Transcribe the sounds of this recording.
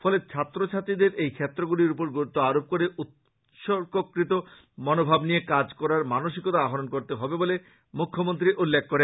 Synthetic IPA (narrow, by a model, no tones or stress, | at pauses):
fʰɔlet͡ɕʰat̪ːɾot͡ɕʰat̪id̪eɾʔejkʰet̪ːɾoɡuliɾupoɾɡoɾut̪ːoaɾob̚koɾeʔut̪ | ʃoɾkokɾit̪o | mɔnobʱabnijekad͡ʑkɔɾaɾmanoʃikot̪aaɦoɾonkoɾt̪eɦɔbebole | mukʰːomont̪ɾiʔulːekʰːoɾe